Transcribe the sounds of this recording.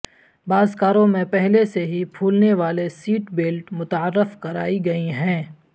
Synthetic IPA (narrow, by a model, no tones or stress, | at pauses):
baːzkaːɾõmẽpɛɦleseɦipʰuːlneʋaːlesiːʈbɪlʈmʊt̪əɾːəfkɐɾa̰ːiɡɐiɦɛ̃ː